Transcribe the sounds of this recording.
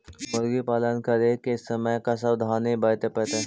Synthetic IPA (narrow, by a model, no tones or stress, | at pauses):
mʊɾɡipaːlənkɐɾekeɪsːɐməjkas̬ɐbd̪ʱaːnĩbɐt̪epɛːt̪e